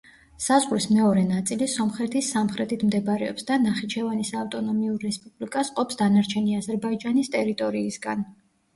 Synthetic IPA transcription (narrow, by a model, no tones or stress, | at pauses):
sazʁɾismɛɔɾɛnat̪sʼilisɔmχɾɛt̪ʰisːamχɾɛt̪ʰit̪ʰmd̪ɛbaɾɛɔpsd̪anaχit͡ʃʰɛvanisaft̪ʼɔnɔmiuɾːɛspʼublikʼasqʼɔpsd̪anaɾt͡ʃʰɛniazɛɾbaid͡ʒanist̪ʼɛɾit̪ʼɔɾiːsɡan